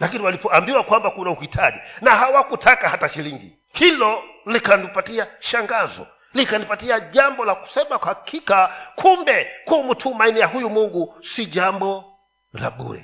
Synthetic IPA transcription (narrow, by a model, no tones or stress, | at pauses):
lakiniwalipɔambiwakwambakunauhitʰaʄinaɦawakutʰakahataʃiliŋɡḭ | hilɔlikanipatiaʃaŋɡazɔ̰ | likanipatiaʄambɔlaku̥sɛmakwhakʰikakʰumbɛkuːmutʰumainijaɦujumuŋɡusiʄambɔ | la̰ɓṵɾɛ̰